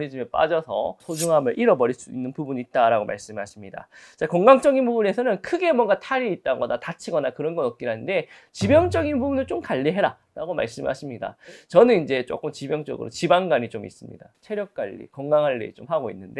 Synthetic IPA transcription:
ɾid͡ʑimep͈a̰d͡ʑʌsʰʌ̰sʰod͡ʑuŋɦamjʌɭʔiɾʌbʌɾiɭs͈uinːɯnpubuɲiːt̚t͈aɾaɡoma̰ɭs͈ɯmɦaɕʰimɲida̰t͡ɕakʌŋɡaŋt͡ɕ͈ʌɡinpubune̞sʰʌnɯnkʰɯɡe̞mwʌŋɡatʰaɾiit̚t͈aɡʌnatat͡ɕʰiɡʌnakɯɾʌnɡʌnːʌk̚k͈iɾanɯnde̞t͡ɕibjʌŋt͡ɕ͈ʌɡinpubunɯɭt͡ɕ͈omkaʎːiɦe̞ɾa | ɾaɡoma̰ɭs͈ɯmha̰ɕʰimɲida̰t͡ɕʌnɯnind͡ʑe̞t͡ɕ͈o̰k͈ɯmt͡ɕibjʌŋt͡ɕ͈ʌ̰ɡɯ̰ɾo̰t͡ɕibaŋɡaɲit͡ɕomḭs͈ɯmɲḭdat͡ɕʰe̞ɾjʌk̚k͈aʎːḭkʌŋɡaŋɦaɭːḛt͡ɕomɦaɡoḭnːɯnde

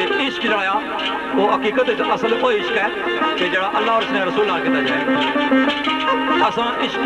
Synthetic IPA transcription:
eʔɪʃkd͡ʒəɽãːjaː | oːɦəkiːkət̪ɪt͡ʃəsəloːiɪʃkɛː | ked͡ʒeːɽaːʔəlːaːɔːɾəsnãːɾəsuːlnaːlkɪt̪ːaːd͡ʒ | əsãːʔɪʃk

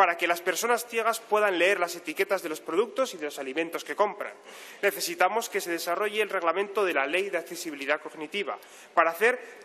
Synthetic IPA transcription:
paɾake̞laspe̞ɾso̞nasθje̞ɣ̞aspwe̞ðanle̞eɾlase̞t̪ike̞t̪azðe̞lo̞spɾo̞ð̞uk̚t̪o̞siðe̞lo̞salimẽnt̪o̞ske̞ko̞mpɾa̰nː | e̞θe̞sit̪amo̞ske̞se̞ð̞e̞saro̞ʝeːlre̞ɣlamẽnt̪o̞ðe̞lale̞jðeakθe̞siβ̞iliðako̞ɣnit̪iβ̞a̰ | paɾaːθe̞ɾ

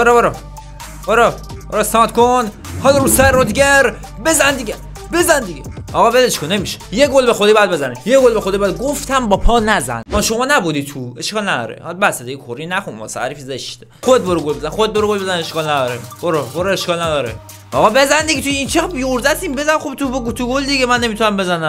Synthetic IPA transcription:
boɾɑboɾɑ | boɾɑ | boɾɑsɒːt̪kʰon | hɒːlɾusæɾɾod̪ɡeɾ | bezænd̪iɟʲe | be̞zænd̪iɡeɒɣɒːbezʃʰkʰonemiʃe̥jeɡolbexod̪iːbjæd̪be̞zænijeɡolbexod̪iːbɒjæd̪̚ɡoft̪ʰæmbɒːpʰɒːnæzæ̰nɒʃo̞mɒːnæbud̪iːt̪ʰueʃkʰɒːlnæd̪ɒ̰ːɾḛhɒlbæsed̪ejekʰoɾinæxunmɒ̰ːseæ̰ɾiːfizeʃt̪exod̪et̪̚boɾeɡolbezænxod̪ed̪̚boɾeɡolbezæneʃkɒːlnæd̪ɒːɾeb̥oɾeboɾeeʃkɒːlnæd̪ɒɾḛ | ɒɣɒbe̞zænd̪eɡʲit̪ʰujint͡ʃʰebijoɾzæt̪ʰiːmbe̞zænxobt̪ʰubɡt̪ʰuɡold̪iɟemænːe̞mit̪ʰunæmbe̞zænæm

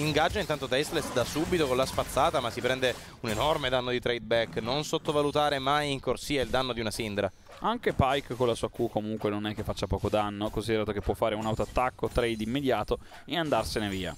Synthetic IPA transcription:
iŋɡad͡ʒːaint̪ant̪ot̪ɛst̪lesd̪asubit̪okolaspat̪sːaːt̪amasːipɾɛnd̪e | unenɔrmed̪anːod̪it̪ɾɛjd̪̚bɛkːnonsot̪ːovalut̪aːɾemajiŋkorsiːaild̪anːod̪iunasind̪ɾa | aŋkepajkkːolasuːakukːomuŋkwenonɛkːefːat͡ʃːapɔːkod̪anːokonsid̪eɾaːt̪okepːwɔfːaːɾeunawt̪oat̪ːakːot̪ɾɛjd̪imːed̪jaːt̪o | eand̪arseneviːa̰

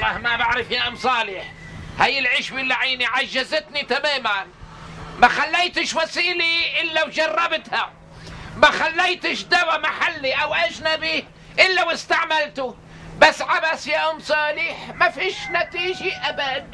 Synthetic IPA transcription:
lˤːɑːhmabaʕɾɪfjaʔamsˤɑːlɪħ | hajːɪlʕiːʃbɪlːaʕiːniʕaʒːazɪt̪nit̪amaːmanmaxalːejt̪ɪʃwasiːliʔɪlːawd͡ʒɑrˤːɑbt̪ha | maxalːejt̪ɪʃd̪abamaħalːiʔawʔaʒnabi | ʔɪlːawɪst̪aʕmalt̪ʊ | basːʕabasjaʔamsˤɑːlɪħmafiːʃnat̪iːʒiʔabad̪̚

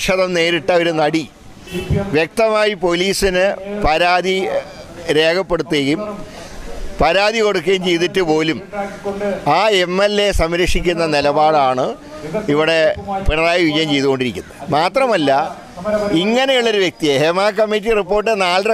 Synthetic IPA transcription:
ʂɐðɐmne̞ːɾiʈːɐo̞ɾunɐɽi | ʋjek̚t̪ɐmaːjipo̞liːsinɨpɐɾaːði | ɾe̞ːkʰɐpːe̞ɽut̪ːejum | pɐɾaːðiko̞ɽuk̬ːejmt͡ɕe̞jðitːɨpo̞ːlum | aːemːelːe̞sɐmɾɐkʂikʲːunːɐnilɐbaːɽaːɳɨ | iʋiɽe̞piɳɐðaːjiʋid͡ʑɐjɐmt͡ɕe̞jðuɣo̞ɳɖiɾikʲːunːɐðmaːt̪rɐmɐlːɐ | iŋːɐnejuɭːoɾuʋjek̚t̪ijehemaːk̬ɐmːitːiripːo̞ːrʈːɨnaːlrɐ

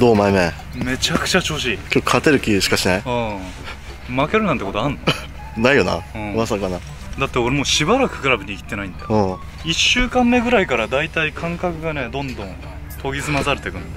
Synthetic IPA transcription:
d̪oːmaeme | me̞t͡ɕakɯ̥t͡ɕat͡ɕo̞ːɕ̬iːkʲokʰat̪e̞ɾɯ̟kʲiɕi̥kaɕinaiõː | make̞ɾɯ̟nãnt̪eko̞t̪oãnː | naijona̰ɯ̃ːβasaɯkana | d̪at̪ːeo̞ɾemoːɕibaɾakɯ̟̥kaɾabɯ̟ɲ̟ikʲit̪ːe̞naĩnd̪eõː | iɕːɨːkãmːe̞ɡɯ̟ɾaikaɾad̪ait̪aikʰãŋkakɯ̟ɡane̞d̪õ̞nd̪õ̞n | t̪o̞ɡʲizɨmazaɾɯ̟t̪ekɯ̟̃n

